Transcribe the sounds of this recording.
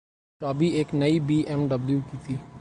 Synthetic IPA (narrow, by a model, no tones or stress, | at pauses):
t͡ʃɔːbieːknəibiːʔɛmɖəbljuːkiːt̪ʰiː